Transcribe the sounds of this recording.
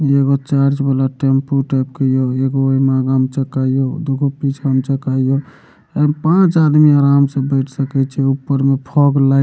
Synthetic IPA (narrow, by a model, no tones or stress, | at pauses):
eɡot͡ʃaɾd͡ʒbalaʈempuʈajp̚kəjoeɡooimaɡamt͡ʃəkajod̪okʰupit͡ʃʰəmt͡ʃəkaijo | pãt͡ʃad̪miaɾamsə̃bəɪʈʰsəkɛt͡ʃʰɛupːəɾmepʰɔɡla